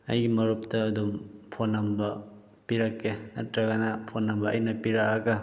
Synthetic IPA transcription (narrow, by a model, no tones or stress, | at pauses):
ɐ̰jɡimɐɾup̚tɐːdumpʰonːɐmbɐ | piɾakːenɐtɾɐɡɐnɐpʰonːɐmbɐːjnɐpiɾakɐɡɐ